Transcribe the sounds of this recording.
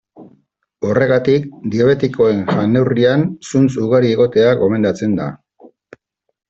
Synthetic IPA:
o̞re̞ɣat̪ik̚d̪ioβe̞t̪iko̞e̞ŋʝane̞wriansunt͡suɣaɾieɣ̞o̞t̪e̞aɡo̞me̞nd̪at͡se̞nd̪a̰

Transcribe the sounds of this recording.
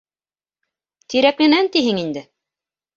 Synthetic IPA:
t̪iɾæklɘ̆nænt̪iɦɘŋind̪ɘ

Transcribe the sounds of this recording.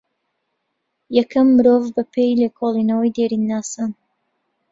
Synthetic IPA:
jɛkʰɐmːɨɾoːvbɐpʰejlekʰoːlˠinɐwəjd̪eːɾinːaːsan

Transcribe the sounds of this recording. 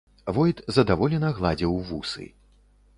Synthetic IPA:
vɔjt̪zɐd̪avɔlʲɛnɐɣlˠad͡zʲiwvusɨ̰

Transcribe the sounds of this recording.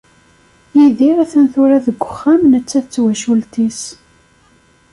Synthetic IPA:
jiðiɾæθənθʊɾæðəɡʷːə̥χːæmnət͡sːæθət͡sːwæʃult̪is

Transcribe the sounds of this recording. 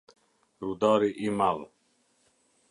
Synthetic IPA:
ɾud̪ɑːɾiʔimal

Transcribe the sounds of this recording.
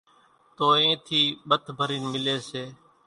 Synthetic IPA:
t̪oːẽːt̪ʰiːɓət̪ʰbʱəɾiːnmɪleːseː

